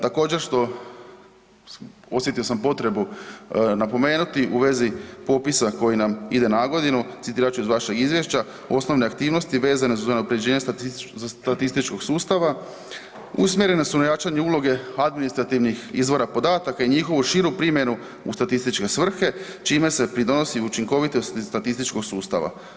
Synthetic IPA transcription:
t̪ako̞ːd͡ʑe̞ɾʃt̪o̞ | o̞sje̞t̪io̞sampo̞t̪ɾe̞bu | napo̞me̞ːnut̪iʔuʋe̞zipo̞pisako̞jinamid̪e̞naɡo̞d̪inut̪sit̪iːɾat͡ʃuizʋaʃe̞ɡizʋje̞ʃt͡ɕa | o̞sno̞ʋne̞akt̪iːʋno̞st̪iʋe̞ːzanezuzoneopɾe̞d͡ʑe̞ːɲest̪at̪at̪ist̪it͡ʃko̞ɡsuːst̪aʋa | ṵsmje̞ɾe̞ne̞sunajat͡ʃaɲeuːlˠo̞ɡe̞ad̪minist̪ɾat̪iʋnixizʋo̞ɾapo̞d̪aːt̪akaiɲixo̞ʋuʃiɾupɾimje̞nu | ṵst̪at̪ist̪it͡ʃke̞sʋr̩xe̞t͡ʃiːme̞se̞pɾid̪ono̞siut͡ʃiŋko̞ʋit̪ost̪at̪ist̪it͡ʃko̞ɡsuːst̪a̰ʋa̰

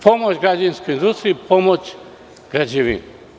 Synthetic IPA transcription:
pomot͡ʃɡɾad͡ʒanskojind̪ust̪ɾipomot͡ʃ | ɡ̥ɾad͡ʒeʋḭn

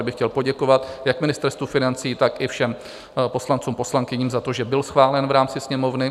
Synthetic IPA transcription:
bɪxcɛlpo̞ɟɛko̞vat̪jakmɪnɪst̪ɛɾst̪vufɪnant͡siːt̪akɪfʃɛm | po̞slant͡suːmpo̞slaŋkɪɲiːmzat̪o̞ʒɛbɪlsxvaːlɛnvɾaːmt͡sɪsɲɛmo̞vnɪ

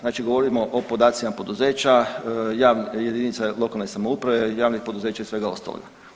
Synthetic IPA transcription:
znaːt͡ʃiɡoʋo̞ɾimo̞ʔopo̞d̪aːt̪imapo̞d̪uze̞ːt͡ɕajaːʋnjed̪init̪salo̞kalˠnesamoupɾaʋe̞jaːʋnixpo̞d̪uze̞ːt͡ʃaisʋe̞ɡao̞̰st̪a̰lˠo̰ɡa̰

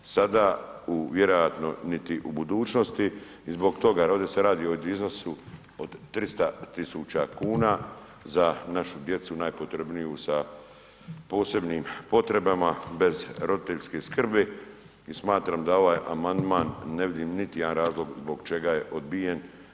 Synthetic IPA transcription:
sad̪aːuʋje̞ɾo̞jat̪no̞̰nit̪iʔubud̪uːt͡ʃnost̪iː | zbo̞ɡt̪o̞ɡaɾod̪eseɾaːd̪iod̪iznasu | od̪t̪ːɾist̪at̪isuːt͡ʃakuːnaː | zanaʃud̪je̞t̪sunaːjpot̪ɾebnijusa | po̞ːse̞bniːmpo̞t̪ɾe̞bamabe̞zɾo̞d̪it̪eʎskeskr̩be | ismaːt̪ɾaːmd̪ao̞ʋaːjamand̪maːnːe̞ʋid̪iːmnit̪ije̞d̪anɾaːzlˠo̞ɡzbo̞ɡt͡ʃe̞ɡaje̞ʔod̪bije̞n

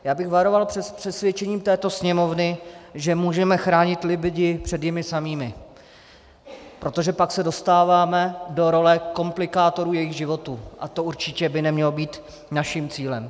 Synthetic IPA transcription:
jaːbɪɣvaɾo̞valɛpr̥ɛsvjɛt͡ʃɛɲiːmt̪ɛːt̪o̞sɲɛmo̞vnɪʒɛmuːʒɛmɛxɾaːɲɪt̪lɪbɟɪpr̝̥ɛd̪jɛmɪsamiːmɪ | pɾo̞t̪o̞ʒɛpaksɛdo̞st̪aːvaːmɛdo̞ɾo̞lɛko̞mplɪkaːt̪o̞ɾuːjɛjɪɣʒɪvo̞t̪uːʔa̰t̪o̞uɾt͡ʃɪcɛbɪnɛmɲɛlo̞biːt̪ | naʃimt͡siːlɛm

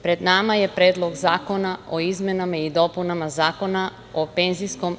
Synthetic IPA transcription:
pɾed̪namaje̞pɾeːd̪lˠo̞ɡzaːko̞naʔoizmenamaid̪o̞punamazaːko̞na | ope̞nzisko̞m

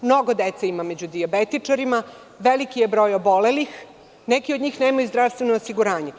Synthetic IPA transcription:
mno̞ɡod̪et̪seimamed͡ʑud̪iabet̪it͡ʂaɾima | ʋelikijebɾo̞ːjobo̞lelix | nekiod̪ɲiːxneːmajuzd̪ɾaʋst̪ʋenoːsiɡuɾaːɲe

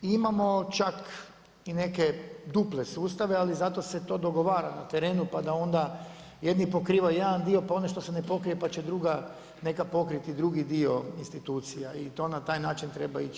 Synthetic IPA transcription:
imamo̞t͡ʃak | ine̞ked̪uplesuːst̪aʋealizat̪o̞se̞t̪o̞ːd̪o̞ɡo̞ʋaːɾanat̪eɾe̞ːnupad̪ao̞nd̪a | je̞d̪nipo̞kɾiːʋajed̪and̪io̞paoneʃt̪o̞sene̞po̞kɾijepat͡ɕed̪ɾuɡa | ne̞kapo̞kɾit̪id̪ɾuɡid̪io̞inst̪it̪uːt̪sijait̪o̞nat̪aːjnaːt͡ʃint̪ɾe̞bait͡ʃ

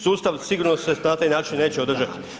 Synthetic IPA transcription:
suːst̪aʋsiɡuːɾnosenat̪aːjnaːt͡ʃinːe̞ːt͡ɕeod̪r̩ʒat̪i̥

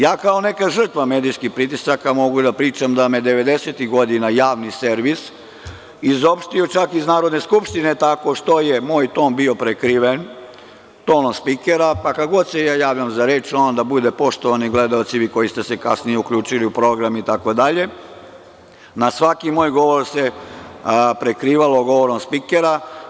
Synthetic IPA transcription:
jaːkao̞ne̞kaʒər̩t̪ʋame̞ːd̪ijskixpɾit̪isakamo̞ɡud̪apɾiːt͡ʃamd̪amed̪eʋe̞d̪e̞set̪iɣɡo̞d̪inajaːʋnise̞ɾʋis | izo̞pʃt̪io̞t͡ʃakiznaːɾo̞d̪ne̞skupʃt̪inet̪ako̞ʃt̪o̞je̞moːjt̪o̞ːnbio̞pɾekɾiʋen | t̪oːnospikeɾapakaɡo̞d̪sejaːjaːʋʎamzaɾeːt͡ʃonod̪abud̪e̞po̞ʃt̪o̞ʋaniɡle̞d̪aot̪siʋiko̞jist̪e̞se̞ka̰snijeukʎuːt͡ʃiliupɾo̞ɡɾamit̪ako̞d̪aʎe̞ | nasʋakimoːjɡo̞ʋo̞ɾse̞ | pɾekɾiːʋaloɡo̞ʋoɾomspikeɾa

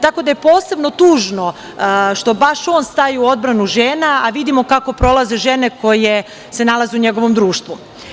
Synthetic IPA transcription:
t̪ako̞d̪aje̞po̞ːse̞bno̞t̪uːʒno̞ | ʃt̪o̞baʃo̞ːnst̪ajiuo̞d̪̚bɾanuʒeːnaaʋid̪imo̞kako̞pɾo̞lˠaze̞ʒe̞ne̞ko̞je̞ | se̞nalˠazeuɲe̞ɡo̞ʋo̞md̪ɾuːʃt̪ʋu

